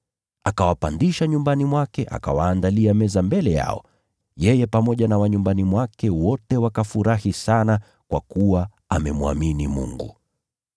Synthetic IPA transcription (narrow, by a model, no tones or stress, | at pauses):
akawapandiʃaɲumbanimwakɛʔa̰ka̰waːndaliamɛzambɛlɛja̰ɔ̰ | jɛjɛpamɔʄanawaɲumbanimwakɛwɔtɛwakafuɾahisana | kwa̰kuwa | amɛmua̰minimṵŋɡṵ